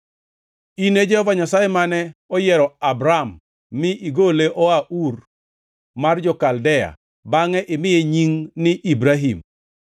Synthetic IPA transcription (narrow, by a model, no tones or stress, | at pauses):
ined͡ʒɛhɔvaɲasajɛmanɛɔjɛɾɔabɾamː | ɪʔiɡoleʔɔaʔur | mard͡ʒɔkaldɛja̰ | baŋɛʔɪmɪjeɲiŋnɪʔibɾaɦim